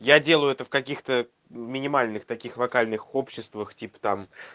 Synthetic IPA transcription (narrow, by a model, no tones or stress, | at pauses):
jadʲe̞lˠəjʊɛt̪əfkɐkʲixt̪ə | mʲɪnʲɪmalʲnɨxt̪ɐkʲixlˠɐkalʲnɨxopɕːɪst̪vəxtʲipə̥t̪am